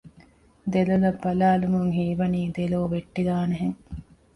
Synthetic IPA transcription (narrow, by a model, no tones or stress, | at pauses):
d̪elolɐbːɐlaːlumuŋɦiːʋɐniːd̪eloːʋeʈːid̪aːneɦeŋ